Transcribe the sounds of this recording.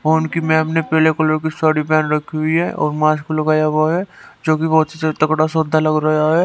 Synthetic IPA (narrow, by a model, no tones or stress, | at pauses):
oːʊnkimɛ̃ɦɐmnepɛːlekɐlokisaɽibjaːnɾɐkʰiɦʊiɦɛʔɔ̰ːɾmãːskolɐɡaːjaʋoɦɛd͡ʒoːkibɔɦʊt̪set̪ɐkɽasoːd̪ʱalɐɡɾajaɦɛː